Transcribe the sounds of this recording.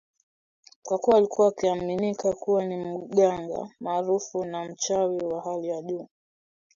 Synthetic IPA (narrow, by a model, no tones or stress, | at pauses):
kwakuaːlikuwaːkiaminikakuwanim̩ɠaŋɡa̰maːɾufunam̩t͡ʃawiwaɦalijaʄuː